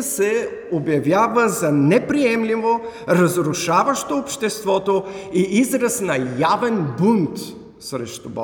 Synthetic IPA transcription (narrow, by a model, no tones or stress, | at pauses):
sɛobjɐvʲjavəzɐnɛpɾiɛmlivo | ɾɐzɾʊʃavəʃt̪oːpʃt̪ɛst̪vɔt̪oiizɾəsnɐjavɛnbunt̪ | sɾɛʃt̪ubɔ̰